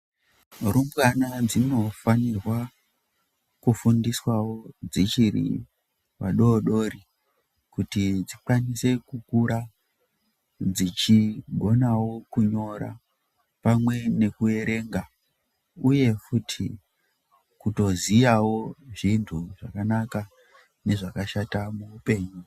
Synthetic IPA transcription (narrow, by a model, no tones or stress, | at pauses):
rumbɣanad͡zino̞fanirwa | kufundiswawo̞d͡zit͡ʃiɾḭ | wa̰ɗo̞ːɗo̞ɾi | kutid͡zikwanise̞kukuɾa | d͡zit͡ʃiɡʱo̞nawo̞kuɲo̞ɾa̰ | pamwe̞ne̞kue̞ɾe̞ŋɡa | uje̞futʰi | kuto̞ziawo̞ʐintʰuʐakanaka | ne̞ʐakaʃatamuːpe̞ːɲu